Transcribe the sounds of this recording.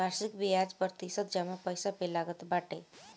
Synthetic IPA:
aɾsikbijad͡zpəɾt̪isət̪̚d͡ʒamapəjsapelaɡət̪baʈe

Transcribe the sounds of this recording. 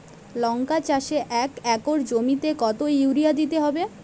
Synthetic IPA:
lɔŋkat͡ɕaʃeʔɛkɛkoɾd͡ʑomit̪ekɔt̪oiwɾijad̪it̪eɦɔbe

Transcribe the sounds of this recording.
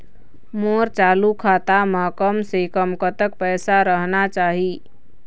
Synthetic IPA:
moɾt͡ʃalukʰat̪amakəmsekəmkət̪əkpɛɪsaɾəɦnat͡ʃaɦi

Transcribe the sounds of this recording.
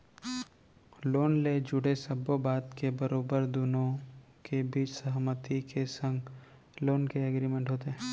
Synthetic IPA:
loːnled͡ʒʊɽesɐbobaːt̪kebəɾoːbəɾd̪ʊnõ | kebiːt͡ʃsɐɦmət̪ikesə̃ŋɡ | loːnkeɐɡɾiːmẽɳʈɦoːt̪eɦɛ̃

